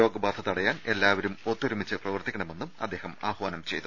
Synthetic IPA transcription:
o̞ːɡɐbaːd̪ʰʱɐðɐɽɐjaːne̞lːaːʋɐɾumot̪ːoɾumit͡ɕːɨprɐʋɐrt̪ːikʲːɐɳɐme̞nːumɐd̪ːe̞ːhɐma̰ːhʋaːnɐmt͡ɕe̞jt̪ːu

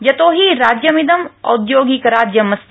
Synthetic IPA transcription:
d͡ʒɐt̪oːɦiɾaːd͡ʒjɐmid̪əmɐ̰ʊd̪joːɡikɾaːd͡ʒjəmɐst̪

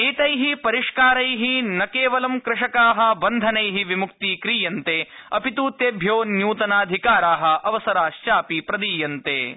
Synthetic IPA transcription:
eːt̪ɐjɦipɐɾiʂkaːɾɐjɦinɐkeːʋɐlɐmkɾɪʂɐkaːɦɐ̆bɐnd̪ʱɐnɐjɦiʋimukt̪iːkɾiːjɐnt̪eːɐpit̪uːt̪eːbʱjoːnjuːt̪ɐnaːd̪ʱikaːɾaːɦɐ̆ɐʋɐsɐɾaːʃt͡ʃaːpipɾɐd̪iːjɐnt̪ḛː

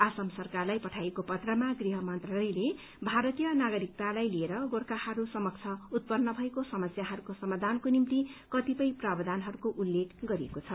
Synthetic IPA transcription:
asʌmsʌrkarlajpʌʈʰajekopʌt̪rʌmaɡriɦʌmʌnt̪ralʌjle | bʱaɾʌt̪ijʌnaɡʌɾik̚t̪alajlieɾʌɡoɽkahʌɾusʌmʌk̚t͡sʰʌut̪̚pʌnːʌbʱʌekosʌmʌsjaɦʌɾukosʌmad̪ʱankonimt̪ikʌt̪ipʌjprabʌd̪ʱanɦʌɾukoʔulːekʰɡʌɾiekot͡sʰʌ

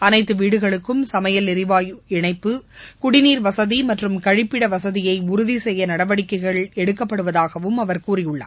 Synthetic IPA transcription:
ɐnɐɪt̪ːɯʋiːɽɯɣɐɭɯkːɯmsɐmɐjɐlɪɾɪʋaːjɪɳɐɪpːɯkʊɽɪniːɾʋɐsɐðimɐʈrɯmkɐɻɪpːɪɽɐʋɐsɐðɪjɐɪʊɾʊðisɛjːɐnɐɽɐʋɐɽɪkːɐɪɣɐɭɛɽɯkːɐpːɐɽɯʋɐðaːɣɐʋɯmɐʋɐɾkuːrɪjʊɭːɐ̰ː

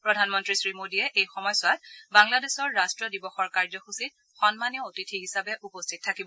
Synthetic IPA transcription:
pɹɔdʱanmɔntɹisɹimodiɛʔejxɔmɔjsʊatbaŋladesɔɹːastɹɔdibɔxɔɹkaɹzɔxusit | xɔnmaniootitʰiɦisabɛʔupɔstʰit̚tʰːakibɔ

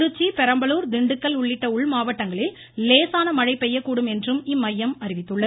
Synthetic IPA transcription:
ɾɯt͡ʃːipɛɾɐmbɐluːɾd̪ɪɳɖɯkːɐɭʊɭːɪʈːɐʊɭmaːʋɐʈːɐŋɡɐɭɪlː | leːsaːnɐmɐɻɐɪpːɛjːɐkːuːɽɯmɛndrɯmɪmːɐjːɐmɐɾɪʋɪt̪ːɯɭːɐð

